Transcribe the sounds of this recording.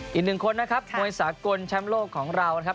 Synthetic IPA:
ʔʔiː˨˩k̚nɯ˨˩ŋkʰo˧nːa˦˥kʰa˦˥p̚mu˧əjsaː˩˦ko˧nt͡ɕʰa˦˥mloː˥˩kʰːɔː˩˦ŋɾa˧wna˦˥kʰa˦˥

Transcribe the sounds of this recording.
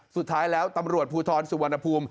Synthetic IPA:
su˨˩t̪ʰːaː˦˥jlɛː˦˥wt̪a˧mɾu˨˩ət̪̚pʰuː˧t̪ʰɔː˧nsu˨˩wa˧nːa˧pʰuː˧m

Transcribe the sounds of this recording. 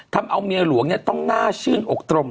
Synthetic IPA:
t̪ʰa˧mʔa˧wmi˧əlu˨˦əŋni˦˥˩t̪ɔ˥˩ŋnaː˥˩t͡ɕʰɯː˥˩nʔo˨˩k̚t̪ɾo˧m

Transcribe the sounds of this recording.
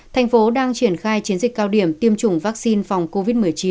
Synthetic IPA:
t̪ʰa˨˩jŋ̟fo˨˦ɗaː˧ŋt͡ɕi˧˩ənxaː˧jt͡ɕi˨˦ənzi˨˩kaː˧wɗi˧˩əmt̪i˧əmt͡ɕʊ˧˩ŋ͡mvaː˦˥k̚si˧nfa˨˩wŋ͡mko˧vi˦˥t̚mɨ˨˩əjt͡ɕi˨˦

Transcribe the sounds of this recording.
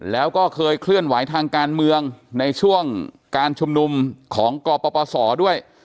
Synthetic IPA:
lɛː˦˥wkɔː˥˩kʰɤː˧jkʰlɯ˥˩ənwa˩˦jt̪ʰaː˧ŋkaː˧nmɯ˧əŋna˧jt͡ɕʰu˥˩əŋ | kaː˧nt͡ɕʰu˧mnu˧mkʰɔː˩˦ŋkɔː˧pɔː˧pɔː˧sɔː˩˦du˥˩əj

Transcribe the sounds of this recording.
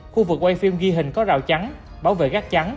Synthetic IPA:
xu˧vɨ˨˩k̚wa˧jfi˧mɣi˧ɦï˨˩ŋ̟kɔ˨˦za̰ː˧˨wt͡ɕa˨˦n | ɓaː˨˦wvḛ˧˨kaː˦˥k̚t͡ɕa˨˦n

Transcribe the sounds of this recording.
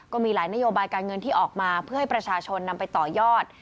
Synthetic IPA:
kɔː˥˩miː˧laː˩˦jna˦˥joː˧baː˧jkaː˧nŋɤ˧nt̪ʰiː˥˩ʔɔː˨˩k̚maː˧pʰɯ˥˩ɐha˥˩jpɾa˧t͡ɕʰaː˧t͡ɕʰo˧nːa˧mpa˧jt̪ɔː˨˩jɔː˥˩t̪̚

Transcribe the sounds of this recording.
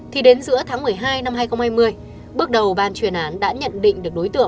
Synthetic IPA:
t̪ʰi˨˩ɗe˨˦nzɨ̰˧˥ət̪ʰaː˨˦ŋmɨ˨˩əjɦaː˧jna˧mhaː˧jxə˧wŋ͡mhaː˧jmɨ˧əj | ɓɨ˦˥ək̚ɗə˨˩wɓaː˨˩nt͡ɕwi˨˩ənʔaː˨˦nɗa̰ː˧˥ɲə̰˧˨nɗḭ̈˧˨ŋ̟ɗɨ˨˩ək̚ɗo˨˦jt̪ɨ̰˧˨ə˨ŋ

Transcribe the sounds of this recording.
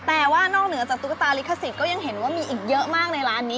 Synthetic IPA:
t̪ɛː˨˩waː˥˩nɔː˥˩k̚nɯ˨˩˦ɐt͡ɕaː˨˩k̚t̪u˦˥ka˧˩t̪aː˧li˦˥kʰa˧˩si˨˩kɔː˥˩ja˧ŋɦe˩˦nwaː˥˩miː˧ʔiː˨˩k̚jɤ˦˥ʔmaː˥˩k̚na˧jɾaː˦˥nːiː˦˥

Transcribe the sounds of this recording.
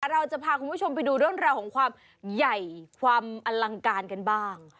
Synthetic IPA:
ɾa˧wt͡ɕa˨˩pʰaː˧kʰu˧npʰu˥˩o˧mpa˧jduː˧ɾo˥˩˨nɾɛː˧wkʰɔː˩˦ŋkʰwaː˧m | ja˨˩jkʰwaː˧mʔa˧la˧ŋkaː˧nka˧nbaː˥˩ŋ

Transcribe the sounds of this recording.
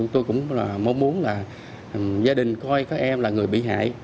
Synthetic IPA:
ŋ͡mt̪o˧jkʊ̰˧˥ŋ͡mmo˧mu˨˦ənlaː˨˩ | zaː˧ɗï˨˩ŋ̟kɔ˧jkaː˦˥k̚ʔɛ˧mlaː˨˩ŋɨ˨˩əjɓḭ˧˨ɦa̰ː˧˨j

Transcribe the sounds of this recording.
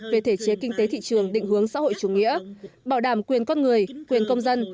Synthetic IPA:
ve˨˩t̪ʰe˧˩t͡ɕe˨˦kï˧ŋ̟t̪e˨˦t̪ʰḭ˧˨t͡ɕɨ˨˩əŋɗḭ˧˨ŋ̟ɦɨ˨˦əŋsa̰ː˧˥ho̰˧˨jt͡ɕu˧˩ŋḭ˧˥əɓaː˧˩wɗaː˧˩mkwi˨˩ənkɔ˧nŋɨ˨˩əjkwi˨˩ənkə˧wŋ͡mzə˧n

